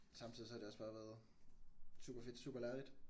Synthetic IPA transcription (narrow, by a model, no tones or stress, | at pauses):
sɑ̈mt͡sʰiðˠisɒ̽hɑde̝ɒ̽sb̥ɑ̈ːʋæːɐð̩ˠ | sṵːb̥ɐfe̝d̥sṵːb̥ɐlæɐlid̥